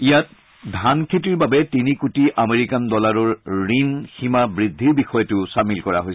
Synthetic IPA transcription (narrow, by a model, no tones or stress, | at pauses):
ijat̚ | dʱankʰetiɹbabɛtinikutiʔameɹikandɔlaɹɔɹɹinximabɹidʱːiɹbixɔjɔtʊsamilkɔɹaɦojs